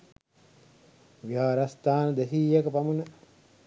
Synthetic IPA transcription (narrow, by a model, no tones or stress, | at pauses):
ʋiaːɾɐst̪aːnəd̪æɦiːjekəpamunə